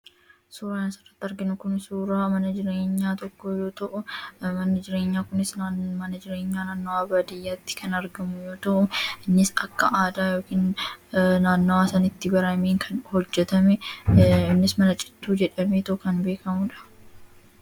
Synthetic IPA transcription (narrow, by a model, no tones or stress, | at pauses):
suːɾaːnsɐrɐt̪ːɐɾɡɪnʊkʊnsuːɾaːmɐnɐd͡ʒɪɾeːɲːaːt̪ɔkːoːjoːt̪ɐʔʊmɐnɐd͡ʒɪɾeːɲːaːkʊnɪsnamɐnɐd͡ʒɪɾe̞ːɲːaːnaːnːowaːbɐd̪ɪjːaːt̪ːɪ̥kɐnɐɾɡɐmʊjo̞ːt̪ɐʔʊɪnːɪsɐkːɐʔaːd̪aːjo̞ːkiːn | naːnːowaːsɐnɪt̪ːɪbɐɾɐmiːŋkʰɐnhɔd͡ʒːɛt̪ɐmɛ | ɪnːɪsmɐnɐt͡ʃʼɪ̥t̪ːuːd͡ʒɛᶑɐmeːt̪okɐnbe̞ːkɐmʊᶑɐ̥